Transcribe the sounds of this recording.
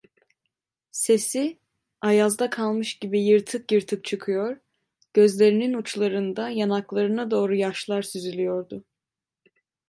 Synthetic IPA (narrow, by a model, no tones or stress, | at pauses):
se̞si | ajazd̪akʰalˠmɯʃɟibijɯɾt̪ʰɯkjɯɾt̪ʰɯk̚t͡ʃʰɯkʰɯjoɾ | ɟ̥øzlʲe̞ɾininut͡ʃlˠaɾɯnd̪ajanaklˠaɾɯnad̪o̞ːɾujaʃlˠaɾsyzylʲijo̞ɾd̪ʊ